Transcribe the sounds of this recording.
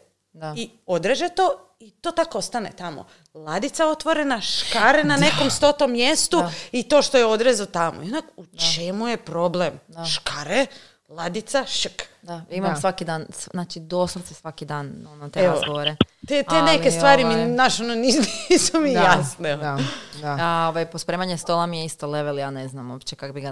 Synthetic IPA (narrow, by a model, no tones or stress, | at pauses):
ai | o̞d̪ɾeʒet̪o | it̪oːt̪akost̪anet̪amo̰ | lˠad̪it̪sao̞t̪ʋoɾenaʃkaɾenane̞ko̞mst̪o̞t̪omːjest̪uit̪o̞ːʃt̪ojeo̞d̪ɾezot̪amʔo̰ionakut͡ʃe̞mujepɾo̞blemʃkaɾe | lˠad̪it̪saʃəkd̪aimamsʋakid̪aːnsaːt͡ʃid̪oːslut̪esʋakid̪aːnonot̪eeaozɡoʋoɾeet̪ene̞kesʋaːɾiminaʃononinisumijasne | aaoʋajpospɾeːmaɲest̪olˠamijeist̪oleʋeljaneznamoːpt͡ʃekakobiɡa